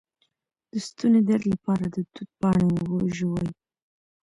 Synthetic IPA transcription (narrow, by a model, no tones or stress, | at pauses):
d̪̥əst̪uned̪aɾlapɑɾad̪ət̪ut̪̚pɑɳewoʒowaj